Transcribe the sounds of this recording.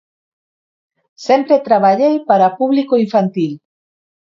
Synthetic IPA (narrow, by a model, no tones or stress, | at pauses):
sempɾet̪ɾaβaʎejpaɾapuβlikoiɱfant̪il